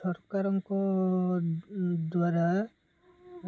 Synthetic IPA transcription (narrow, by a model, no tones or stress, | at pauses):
ɔɾkaɾɔŋkɔ | d̪waɾa